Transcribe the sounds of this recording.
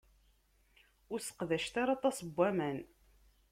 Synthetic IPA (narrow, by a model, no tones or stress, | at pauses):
ʊɾsə̥qðæʃt̪aɾɑt̪ˤɑsəbːæmæn